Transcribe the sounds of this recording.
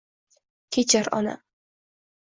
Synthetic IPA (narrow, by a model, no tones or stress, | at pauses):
kʲʰet͡ʃʰaɾɒ̰na̰